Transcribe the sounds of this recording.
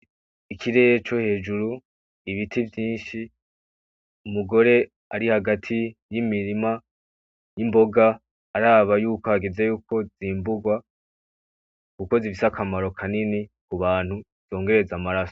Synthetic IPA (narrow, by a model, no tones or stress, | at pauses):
ikʰiɾe̞et͡ʃohe̞ːd͡ʒuɾu | iβitʰivjiːnʃi | umuɡo̞ɾe̞ | aɾihaɡatʰijimiɾima | jimbo̞ɡaː | ɾaːβajuːko̞haɡezejuːko̞ziːmbuɡwa | kuko̞zifisakʰamaɾo̞kʰanini | kuβaːnhu | z̥o̞ːŋɡe̞ɾe̞zamaɾaso̥